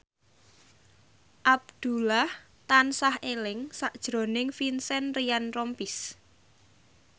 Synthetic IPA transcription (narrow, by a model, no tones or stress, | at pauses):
ʔab̚d̪̥ṳlah | t̪ansahelɪŋsaʔd̥ʒ̥ɾo̤nɪŋfinsɛnrijanrɔmpis